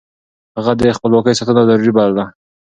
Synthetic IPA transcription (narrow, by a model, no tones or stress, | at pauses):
haɣad̪əxpəlwɑkəjsat̪ənazaɾuɾibalala